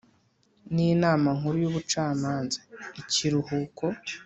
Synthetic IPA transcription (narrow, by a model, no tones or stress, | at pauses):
niːnaːmaŋ̥huɾujuβut͡ʃaːmaːnzḁiciɾuhuːkʰo̞